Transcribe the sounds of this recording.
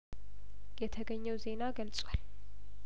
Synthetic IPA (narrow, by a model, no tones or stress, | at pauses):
jɛt̪ʰəɡəɲːɛwze̞naɡəlt͡sʼwal